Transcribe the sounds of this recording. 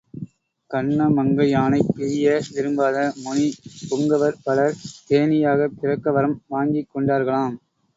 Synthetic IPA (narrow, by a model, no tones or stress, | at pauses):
kɐɳːɐmɐŋɡɐjaːnɐɪpːɪɪjɐʋɪɾɯmbaːðɐmʊnipʊŋɡɐʋɐɾpɐɭɐɾt̪eːnɪjaːɣɐpːɪrɐkːɐʋɐɾɐmʋaːŋɡɪkːɔɳɖaːɾɣɐɭaːm